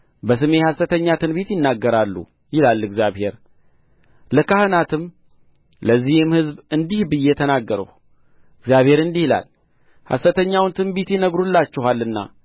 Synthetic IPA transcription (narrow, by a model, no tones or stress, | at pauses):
bəsɨme̞hasət̪ʰəɲːat̪ʰɨnbet̪jɪnːaɡːəɾalːṵ | jɪlalːɨɡzjaβhe̞ɾ | ləkahɨnat̪ʰɨm | ləzːihɪmhɨzbɨnd̪ihbɨjːɛt̪ʰənaɡːəɾə̰h | ɨɡzjaβhe̞ɾɨnd̪ihla̰l | ha̰sət̪əɲːawnt̪ʰɨnbet̪jɪnəɡɾulːat͡ʃːɛɦalːɨnːa̰